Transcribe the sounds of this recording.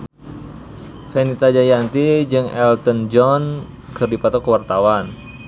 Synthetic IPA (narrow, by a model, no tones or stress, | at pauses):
fɛnit̪ad͡ʒajant̪id͡ʒɨŋɛlt̪ənd͡ʒɔn | kɨrdipat̪ɔkəwart̪awan